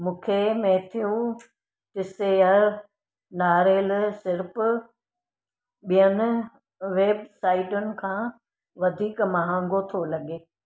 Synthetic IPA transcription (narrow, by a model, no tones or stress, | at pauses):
mũːkʰemɛɦt̪ʰijũ | ʈɪseəɾ | naːɾeːlsɪɾɪpʊ | ɓijənɪ̆ | ʋeːbsaːɪʈʊnɪ̆kʰãː | ʋɐd̪ʱiːkmɐɦãːŋɡot̪ʰolɐɡeː